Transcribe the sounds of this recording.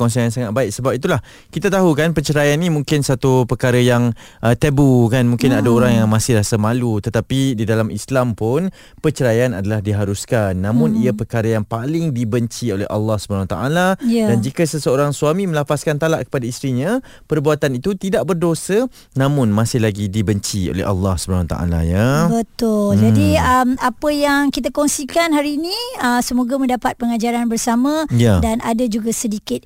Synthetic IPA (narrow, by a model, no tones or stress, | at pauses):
ɔnsiŋansaŋat̪̚baɪk̚səbap̚it̪ulah | kit̪at̪aɦukanpət͡ʃəɾajanːĩmũŋkɪnsat̪upərkaɾəjaŋ | ʔət̪əbukanmũŋkɪnadəoɾaŋjaŋmãsɪhɾasəmãlut̪ət̪apididalamʔislampʊn | pət͡ʃəɾajanadalahdiɦaɾuskanːãmʊ̃niapərkaɾəjaŋpalɪŋdibəɲt͡ʃiolɛ̰ɦɑ̰lːɑhsə̥banawat̪a̰ʔalajadand͡ʒikəsəsəoɾaŋsuamĩmə̃lafaskant̪ala̰ʔkə̥padaist̪ɾiɲã | pərbuat̪anit̪ut̪idaʔbərdosə | nãmʊnmãsɪhlaɡidibəɲt͡ʃio̰lɛ̰ha̰lːɑhsəbənawat̪a̰ʔa̰la̰jabət̪ʊld͡ʒadiəmapəjaŋkit̪akɔŋsikanɦaɾiːnĩəsəmoɡamə̃ndapat̪̚pəŋad͡ʒaɾanbərsamãjadanʔadad͡ʒuɡasədikɪt̪̚